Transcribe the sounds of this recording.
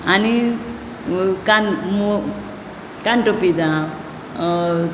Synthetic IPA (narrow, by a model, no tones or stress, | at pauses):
ani | kanm | kanʈopid̪a